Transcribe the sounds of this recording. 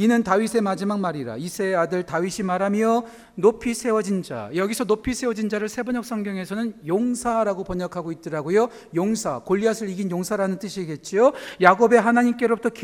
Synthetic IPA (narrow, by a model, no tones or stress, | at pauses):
inɯntaɥisʰemad͡ʑimak̚maɾiɾa̰isʰeadɯɭtaɥiɕʰimaɾɦamjʌ | nopʰisʰe̞wʌd͡ʑind͡ʑa̰jʌɡisʰʌnopʰisʰe̞wʌd͡ʑind͡ʑaɾɯɭsʰe̞bʌɲʌk̚s͈ʰʌŋɡjʌŋe̞sʰʌnɯnjoŋsʰaɾaɡopʌɲʌkʰaɡoit̚t͈ɯɾaɡojo | joŋsʰakoʎːiasʰɯɭiɡinjoŋsʰaɾanɯnt͈ɯɕʰieɡe̞t̚t͡ɕ͈iojaɡobe̞ɦanaɲimk͈e̞ɾobutʰʌk